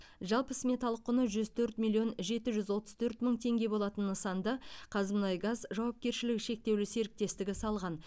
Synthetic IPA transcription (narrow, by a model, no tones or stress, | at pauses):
ʒɑlˠpəsmʲe̞t̪ɑlˠəqʰːʊnəʒʏzt̪ʰɵɾt̪mʲilʲːˠjio̞nʒe̞t̪ɪʒʏzwo̞t̪əz̥t̪ʰɵɾt̪məɴt̪ʰe̞ŋɡʲe̞bo̞lˠɑt̪ənːəsɑnd̪ɑqʰɑzəmnɑjɡɑzʒɑwɑp̚kʲe̞ɾʃɪlɪkʃe̞k̚t̪e̞wlɪse̞ɾɪk̚t̪e̞st̪ɪɡʲɪsɑlˠʁɑn